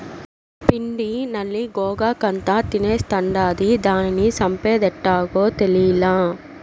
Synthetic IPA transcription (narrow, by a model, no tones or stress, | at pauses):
piɳɖinɐlːiɡɔːɡaːkɐnt̪at̪ineːst̪ɐɳɖaːd̪id̪aːninisɐmpeːd̪ɛʈːaːɡoːt̪elijilaː